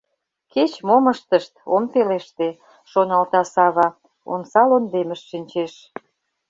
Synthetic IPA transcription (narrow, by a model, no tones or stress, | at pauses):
ket͡ɕmoməʃt̪əʃt̪̚o̰mpeleʃt̪e | ʃonɑlt̪ɑsɑβɑ | o̰nsɑlond̪eməʃʃinʲt͡ɕeʃ